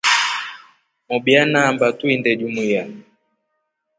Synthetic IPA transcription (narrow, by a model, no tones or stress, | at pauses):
mɔbjanambatuindɛd͡ʒumuja